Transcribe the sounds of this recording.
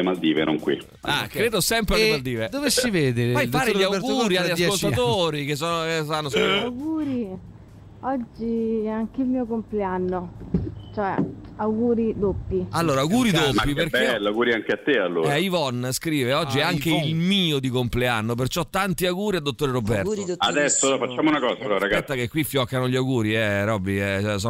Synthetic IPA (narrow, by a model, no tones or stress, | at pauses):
mald̪iːvḛno̰ŋkwḭ | a̰kɾeːd̪osɛmpɾemald̪iːved̪ovesːiveːd̪eɾajfaːɾeʎiawɡuɾiaːaskolt̪at̪oːɾikes̬ːonsanːosawɡuːɾi | ɔd͡ʒːiɛaŋkeilmiːokompleanːot͡ʃoɛ̰awɡuːɾid̪opːialːoːɾawɡuːɾid̪opmaːiperkelaɡuːɾiaŋk̟eat̪ːealːo̰ɾɛivɔnskɾiːveɔd͡ʒːiɛaŋk̟eilmiːod̪ikompleanːop̬ert͡ʃɔt̪ːant̪iawɡuːɾiad̪ːot̪ːoːɾeɾobːɛad̪ɛsːoɔfat͡ʃːaːmounakɔːsaɔɾaɡaɛt̪ːakekwifːjɔkːanoʎawɡuːɾiɛɾɔbːiɛɛsɔ